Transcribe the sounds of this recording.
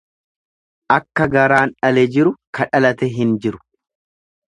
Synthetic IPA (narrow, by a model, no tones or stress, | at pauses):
ʔɐkːɐɡɐɾaːnᶑɐlɛd͡ʒɪɾʊkɐᶑɐlɐt̪ɛɦɪnd͡ʒɪɾʊ̥